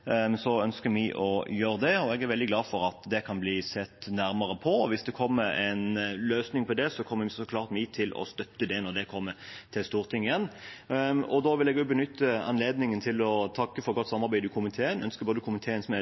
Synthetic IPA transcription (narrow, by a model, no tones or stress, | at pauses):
sɔœnskəmɪʔɔjøːɾəd̪ɛɔɛɡæɾʋɛld̪ɪɡlɑːfɔɾɑt̪d̪ɛkʰɑnbliːsɛt̪ːnæɾməɾəpʰɔʋɪsd̪ɛkʰɔmːəɾɛnløːsnɪŋpʰɔd̪ɛsɔkʰɔmːəʋɪsɔkʰlɑːɾt̪mɪt̪ʰɪlʔɔ̰st̪œt̪ːəd̪ɛnɔʁd̪ɛkʰɔmːət̪ʰɪlst̪uːʁt̪ʰɪŋːɪjɛnː | ɔd̪oːʋɪlɛɡʉbənʏt̪ːəɑ̰nleːd̪nɪŋənt̪ʰɪlɔt̪ʰɑkːəfɔɾɡɔt̪ːsɑmːɑɾbæɪd̪ɪkʰʊmɪt̪ʰeːənœnskəboːd̪əkʊmənt̪ʰeːənsmɛ